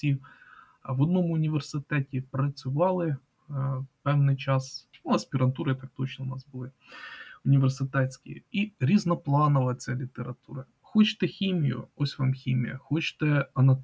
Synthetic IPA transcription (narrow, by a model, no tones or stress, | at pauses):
i | ʋɐd̪nomʊnʲɪʋʲərsɨt̪ɛtʲɪpɾɐt͡sʲʊʋɑlˠɪ | pɛwnɨjt͡ʃasnuɐspʲɪɾɐnt̪uɾɨt̪ak̚t̪ot͡ɕnɐʊnasbɨlˠɨ | ʊnʲɪʋʲɪrsɨt̪ɛsʲkʲɪ̰jɛ̰iɾʲiznɐplˠɑnɐʋɐlˠɐt͡sʲalʲɪt̪əɾɐt̪uɾɐ | xot͡ʃt̪ɛxʲimʲjʊ̰osʲʋamxʲimʲijɐ̰xot͡ɕt̪ɛɐnɐt̪